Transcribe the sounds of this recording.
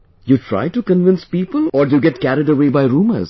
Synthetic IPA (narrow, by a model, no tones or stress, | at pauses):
juːʈʰɾa̰ɪʈukə̃nʋɪ̃nspiːpəlɔːdujuɡɛʈkæɾɪɖəʋeːbaɪɾũːmə̰z̥